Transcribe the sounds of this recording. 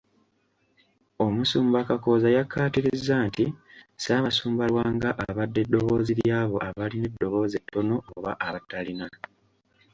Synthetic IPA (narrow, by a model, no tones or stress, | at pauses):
o̞musuːmbakako̞ːzajakʰːaːtiɾizːaːntisaːβasuːmbalwaːŋɡaʔaβadːe̞dːo̞βo̞ːziljaːβo̞ʔaβalinedːo̞βo̞ːze̞tːo̞no̞oβa̰ʔaβatːalina